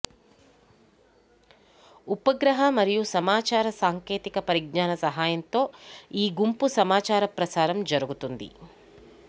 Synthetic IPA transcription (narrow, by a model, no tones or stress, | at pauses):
upɐɡɾɐɦɐmɐɾijusɐmaːt͡ʃaːɾɐsaːŋke̞ːt̪ikɐpɐɾiɡnaːnɐsɐɦaːjɐnt̪o̞ːiːɡumpusɐmaːt͡ʃaːɾɐpɾɐsaːɾɐmd͡ʒɐɾuɡut̪und̪ḭ